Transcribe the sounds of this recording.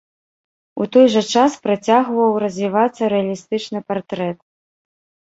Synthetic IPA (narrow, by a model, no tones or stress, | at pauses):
ṵt̪ɔjʐɐt͡ʂaspɾat͡sʲaɣvɐwɾɐzʲvʲivat̪sːɐɾɛɐlʲist̪ɨt͡ʂnɨpart̪ɾɛt̪̚